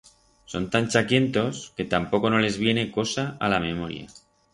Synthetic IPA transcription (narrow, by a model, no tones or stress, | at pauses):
so̞nt̪anʲt͡ʃakje̞nt̪o̞ske̞t̪ampo̞ko̞no̞le̞zβ̞je̞ne̞ko̞saʔa̰lamemoɾja̰